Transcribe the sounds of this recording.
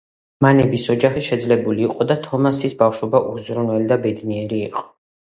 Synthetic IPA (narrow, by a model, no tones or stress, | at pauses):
manɛbisɔd͡ʒaχiʃɛd̪zlɛbuliːqʼɔd̪at̪ʰɔmasisbafʃɔbaʔuzɾɔnwɛlid̪abɛd̪niɛɾiːqʼɔ̥